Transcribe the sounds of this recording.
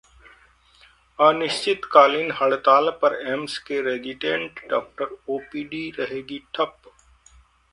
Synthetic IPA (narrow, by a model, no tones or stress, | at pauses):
aːnɪʃt͡ʃɪt̪kaːlinɦɐɽt̪aːlpɐɾemskeɾeːd͡ʒɪʈẽːɳʈɖa̰ːk̚ʈəɾoːpiːɖiːɾəɦeːɡiʈʰɐp